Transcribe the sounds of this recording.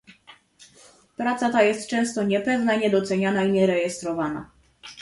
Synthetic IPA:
pɾat̪sat̪ajɛst̪t͡ʂɛ̃w̃st̪ɔɲɛpɛvnaiɲɛd̪ɔt̪sɛɲanaiɲɛɾɛjɛst̪ɾɔvana̰

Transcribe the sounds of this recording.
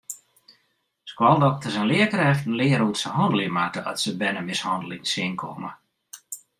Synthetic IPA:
skwɔlˠdɔk̚təsɛnlɪəkərɛftən̩lɪːəɾutsəhɔndəlˠɪmakəɔ̰tsəbɛnəmɪshɔndəlɪŋsɪŋkʰɔ̰mə̰

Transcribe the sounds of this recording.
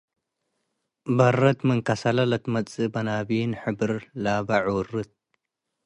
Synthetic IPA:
bɐrɐt̪mɨŋkʰɐsɐlɐlɐt̪mɐt͡sʼɨbɐnabinħɨbɨɾlabɐʕwrːɨt̪̚

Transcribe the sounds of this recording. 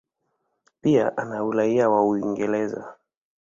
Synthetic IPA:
pia̰ʔanaulaiawauiŋɡɛlɛza̰

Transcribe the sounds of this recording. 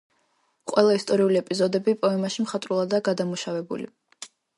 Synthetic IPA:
qʼwɛlˠaist̪ʼɔɾiuliɛpʼizɔd̪ɛbipʼɔɛmaʃimχat̪ʼɾulˠad̪aɡad̪amuʃavɛbṵlḭ

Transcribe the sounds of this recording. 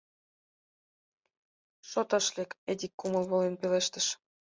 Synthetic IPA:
ʃot̪ɑʃleked̪ʲikːumɤ̆lβolenpeleʃt̪ə̆ʃ

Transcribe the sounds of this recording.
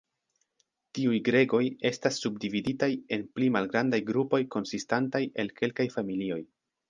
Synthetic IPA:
tiujɡɾe̞ɡo̞je̞stasːub̚dividitaje̞nplimalɡɾandajɡɾupo̞jko̞nsistantajʔe̞lke̞lkajfamilio̞j

